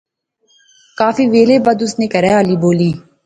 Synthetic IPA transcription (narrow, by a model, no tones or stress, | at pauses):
kaːfiːʋeːleːbəd̪ʊsneːkəɾɛːaːliːboːliː